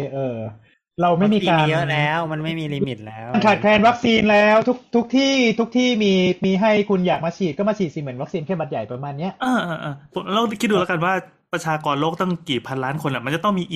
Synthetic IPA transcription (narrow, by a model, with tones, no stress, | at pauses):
ʔɤː˧ | ɾa˧wma˥˩jmiː˧kaː˧˦˥lɛː˦˥wma˧nma˥˩jmiː˧liː˧mi˨˩t̪̚lɛː˦˥wnkʰaː˨˩t̪̚kʰlɛː˧nwa˦˥k̚siː˧nlɛː˦˥wt̪ʰu˦˥k̚t̪ʰu˦˥k̚t̪ʰiː˥˩t̪ʰu˦˥k̚t̪ʰiː˥˩miː˧miː˧ɦa˥˩jkʰu˧njaː˨˩k̚maː˧t͡ɕʰiː˨˩t̪̚kɔː˥˩maː˧t͡ɕʰiː˨˩t̪̚si˨˩mɯ˩˦nwa˦˥k̚siː˧nkʰɛ˥˩ba˧t̪̚ja˨˩jpɾa˧maː˧nːi˦˥ɐʔʔaː˧˩ʔaː˧ʔaː˧˩pʰo˨˦˧lɔː˥˩˦kʰi˦˥du˧lka˧nwaː˥˩ | pɾa˧t͡ɕʰaː˧kɔː˧nloː˥˩k̚t̪a˥˩ŋkiː˨˩pʰa˧nlaː˦˥nkʰo˧nːʔa˨˩ma˧nt͡ɕa˨˩t̪ɔ˥˩ŋmiː˧ʔi˨˩